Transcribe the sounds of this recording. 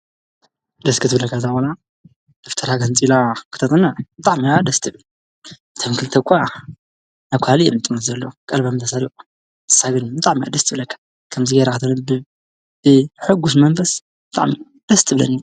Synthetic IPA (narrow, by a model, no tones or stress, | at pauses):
d̪ɐskʰɨt̪ʰɨbɨlɐkʰːazabola | d̪̥oft̪ʰɐɾaɡɐnt͡sʼilakʰɨ̥t̪ʰɐt̪ʼɨnabɨt̪ʼaʕmiad̪ɐst̪ʰɨβ | t̪ʰɐmkʰɨlt̪ʰɐkʷʼa | naβkʷʰhalijɛ̰mɨt̪ʼɨmɐt̪zɐlːokʼɐlbamt̪ʰɐsalikʼu̥ | ɨ̥sːaɡɨnbɨt̪ʼaʕmiʔa̰d̪ɐst̪ʰɨβɨlɐkʰːḁ | kʰɐmzɨɡɐɾakɨt̪ʰɐnɐ | bɨħʊɡːus̬mɐmfɐs | bɨt̪ʼa̰ʕmi | d̪̥ɐst̪ʰɨβɨlɐ̰ni